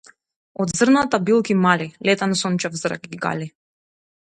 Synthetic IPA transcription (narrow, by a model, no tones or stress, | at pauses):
ɔd̪zrnat̪abilˠkimalilɛt̪ansɔnt͡ʃavzɾa̰kiɡa̰li